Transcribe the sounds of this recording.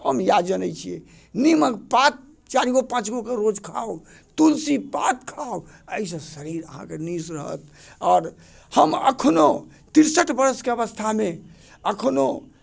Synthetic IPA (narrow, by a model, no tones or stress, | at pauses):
həmjad͡ʒənət͡ʃʰiɛ̰ | niməkpat̪̚ | t͡ʃaɾiɡopãt͡ʃɡokeɾod͡ʒkʰa̰w | t̪ulsipat̪kʰaw | əis̬ə̃səɾiɾəɦã̰kenisɾəɦə̰t̪̚ | ɔːɾ | həmə̰kʰno | t̪iɾsəʈbəɾskeəβəst̪ʰame | əkʰno